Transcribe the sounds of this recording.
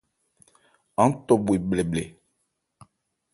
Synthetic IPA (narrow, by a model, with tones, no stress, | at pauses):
ã˦n̩˦tɔ˨bwi˨blɛ˨blɛ˨